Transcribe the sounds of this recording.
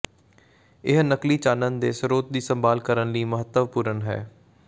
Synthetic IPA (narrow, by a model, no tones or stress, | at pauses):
ɪɦnəkliːt͡ʃaːnənd̪eːsəɾoːt̪̚d̪iːsəmbaːlkəɾənliːməɦət̪ːəʋpuːɾənɦɛ̰ː